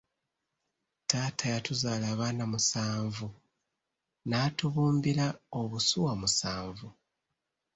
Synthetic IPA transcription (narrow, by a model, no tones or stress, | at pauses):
taːtʰajatuzaːlaːβaːnamusaːɱvu | naːtuβuːmbiɾaoβusuwamusaːɱvu